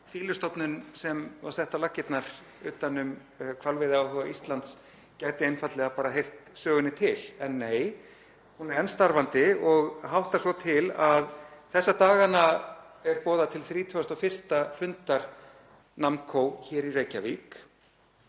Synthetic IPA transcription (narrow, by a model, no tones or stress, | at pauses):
fiːlʏst̪ɔpnʏnsɛmvaɾ̥θɛht̪alacːɪt̪naɾ̥ | ʏːt̪anʏm | kʰvalvɪðɪaːwɦœɣaʔist̪lant̪s | caːjt̪ɪejnfat̪lɛɣapaːɾaɦejr̥t̪sœːɣʏnːɪt̪ʰɪlɛnːeːj | hunɪɾɛnst̪aɾvant̪ɪɔɣɦawht̪ḁsvɔt̪ʰɪlaðθɛsːat̪aːɣana | ɛɾpɔːðat̪ʰɪlθɾiːt̪ʰœast̪ɔfɪr̥st̪afʏnt̪aɾ̥ | namkʰoːwçɛːɾireːjcaviːk